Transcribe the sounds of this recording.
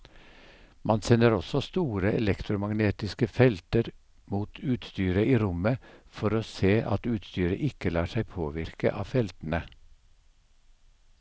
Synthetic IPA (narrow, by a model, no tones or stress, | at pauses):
mʔɑnsɛnəɾɔsɔst̪uːɾəɛlɛkt̪ɾʊmɑɡneːt̪ɪskəfɛlt̪əɾ | muːt̪ʰʉːt̪st̪yːɾəiːɾʊməfɔɾoːseːʔɑ̰t̪ʉːt̪st̪yːɾə̰ʔɪkəlɑːʂæɪpʰoːʋɪɾkə̰ʔɑ̰ːfɛlt̪n̩ə